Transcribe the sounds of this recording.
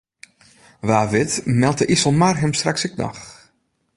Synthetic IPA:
ʋaːʋɪtmɛlˠtəʔisɔlˠmarɦəmstraksɪk̚nɔ̰x

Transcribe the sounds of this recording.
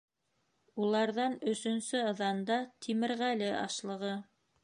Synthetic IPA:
ulˠɑɾðɑnɵ̆sɵ̆nsɵɤ̆ðɑnd̪ɑt̪ʰimɘ̆ɾʁælɘʔɑ̰ʃlˠɤ̆ʁɤ

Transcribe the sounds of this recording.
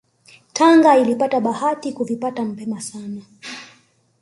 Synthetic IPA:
tʰaŋɡailipataɓahatikuvipatam̩pɛmasana

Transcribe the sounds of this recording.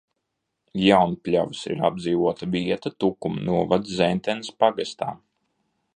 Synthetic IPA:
jawnpʲlʲavsḭɾa̰b̪ziːvuɔt̪aviɛt̪at̪ukumnuɔvad̪zɛnt̪ɛnspaɡast̪a̰ːm

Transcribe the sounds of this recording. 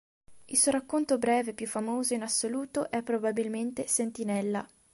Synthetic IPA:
ilsuːoɾakːont̪obɾɛːvepjufːamoːzoinasːoluːt̪oʔɛpːɾobabilment̪esent̪inɛlːa̰

